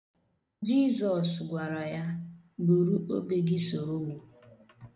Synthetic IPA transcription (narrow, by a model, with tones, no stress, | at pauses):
d͡ʒi˦zɔ˨sɡʷa˨ɾa˨ja˦ | bu˨ɾu˦ʔo̰˦be˦ɡɪ˦so˨ɾo˦ŋʷu˨